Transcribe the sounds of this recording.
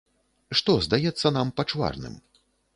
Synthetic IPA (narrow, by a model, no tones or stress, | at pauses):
ʂt̪ɔzd̪ajɛt̪sːɐnampɐt͡ʂva̰rnɨ̰m